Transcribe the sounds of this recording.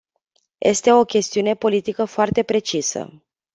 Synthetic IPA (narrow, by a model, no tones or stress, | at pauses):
jʔe̞̰st̪e̞o̞kʲe̞st̪iune̞po̞lit̪ikəfoart̪e̞pɾe̞t͡ʃisə̰